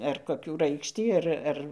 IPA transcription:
ɐr koːˈkʲuː ˈrɐɪkʃʲtʲiː ˈɐr ˈɐr

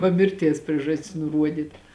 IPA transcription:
ˈʋɐ ˈmʲɪrʲˌtʲiɛs ˈpʲrʲiɛʒɐsʲtʲɪs nʊˈruɔdʲiːt

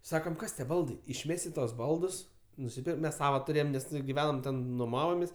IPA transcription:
ˈsɑːkɐm ˈkɐs tʲiɛ ˈbɐlˠdɐɪ ɪʃʲˈmʲæːsʲɪ ˈtuɔs ˈbɐlˠdʊs nʊsʲɪˈpʲɪr ˈmʲɛs ˈsɑːʋoː tʊˈrʲeːjoːm ˈnʲɛs ɡʲɪˈʋʲæːnoːm ˈtʲɛn nʊˈmɑːʋoːmʲeːsʲ

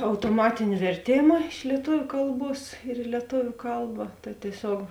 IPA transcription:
ɐʊtoːˈmɑːtʲɪnʲɪ ʋʲɛrʲˈtʲeːmɐ ɪʃ lʲiɛˈtʊʋʲʊ ˈkɐlˠˌbuɔs ɪr ɪ lʲiɛˈtoːʋʲʊ ˈkɐlˠbɐ tɐɪ tʲiɛˈsʲoːk

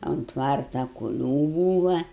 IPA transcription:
oːnt ˈtʋɐrtɐ kʊˈlʲuː ˈbuːʋɐ

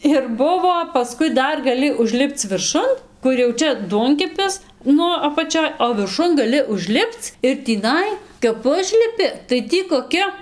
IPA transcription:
ɪr ˈbʊʋoː pɐˈskʊɪ ˈdɐr ɡɐˈlʲɪ ʊʒʲˈlʲɪpt͡s ʋʲɪrˈʃʊn ˈkʊr jɛʊ ˈt͡ʃʲɛ ˈduɔŋʲkʲɛpʲɪs ˈnʊ ɐpɐˈt͡ʃʲoːj oː ʋʲɪrˈʃʊn ɡɐˈlʲɪ ʊʒʲˈlʲɪpt͡s ɪr tʲiːˈnɐɪ kɐp ˈʊʒʲlʲɪpʲɪ tɐɪ ˈtʲiː koːˈkʲɪ

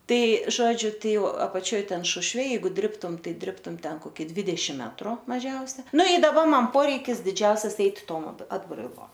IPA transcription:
ˈtɐɪ ˈʒoːd͡ʒʲʊ ˈtɐɪ ˈjɛʊ ɐpɐˈt͡ʃʲoːj ˈtʲɛn ˈʃʊʃʲʋʲɛ ˈjɛɪɡʊ ˈdʲrʲɪptʊm ˈtɐɪ ˈdʲrʲɪptʊm ˈtʲɛn koːˈkʲɪ ˈdʲʋʲɪdʲɛʃʲɪm ˈmʲæːtrʊ mɐˈʒʲɛʊsʲɛ ˈnʊ ɪ ˈdɑːbɐ ˈmɐn ˈpoːrʲɛɪkʲɪs dʲɪˈd͡ʒʲɛʊsʲɛs ˈɛɪtʲ ˈtoːm ɐt ɐdbrɐɪˈlˠoːm

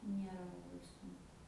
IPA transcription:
ˈnʲiɛrɐ lˠɐˈbɐɪ sʊŋˈkʊ

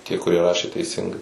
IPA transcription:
tʲiɛ kʊˈrʲiɛ ˈrɑːʃʲeː tʲɛɪˈsʲɪŋɡɐɪ

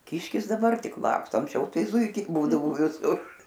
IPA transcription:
ˈkʲɪʃʲkʲɪs dɐˈbɐr ˈtʲɪk ˈlˠɑːkstoː ɐŋksʲˈt͡ʃʲɛʊ ˈtɐɪ ˈzuːɪkʲɛɪ ˈbuːdɐʋoː ʋʲɪˈsʊr

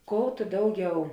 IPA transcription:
ˈkoːʊ tʊ ˈdɐʊˌɡʲɛʊ

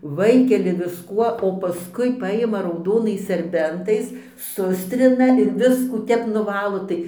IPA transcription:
ˈʋɐɪkʲɛlʲɪ ʋʲɪsˈkuɔ oː pɐˈskʊɪ ˈpɑːjɪmɐ rɐʊˈdoːnɐɪs sʲɛrʲˈbʲɛntɐɪs ˈsʊsʲtʲrʲɪnɐ ɪr ˈʋʲɪskuː ˈtʲɛp nʊˈʋɑːlˠoː ˈtɐɪ

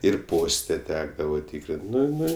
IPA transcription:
ɪr ˈpoːsʲtʲɛ ˈtʲæːɡdɐʋɐ ˈtʲiːkrʲɪnʲtʲ ˈnʊ ˈnʊ

